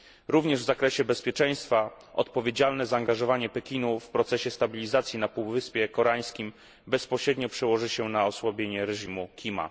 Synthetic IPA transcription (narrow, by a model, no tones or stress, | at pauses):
ɾuvɲɛʐvzakɾɛɕɛbɛspʲjeɛt͡ʂɛ̃j̃st̪fa | ʔɔ̰t̪pɔvʲjed͡ʑalnɛzaːŋɡaʐɔvaɲɛpɛkʲinufpɾɔt̪sɛɕɛst̪abʲilʲizat̪sʲjinapuwvɘspʲjɛkɔɾaj̃skʲim | bɛspɔɕɾɛd̪ɲɔpʂɛwɔʐɘɕɛnaɔswabʲjeɲɛɾɛʐimukʲʰima̰